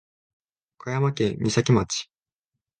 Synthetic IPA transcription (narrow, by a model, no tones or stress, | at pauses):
kʰajamakẽmʲisakʲimat͡ɕi̥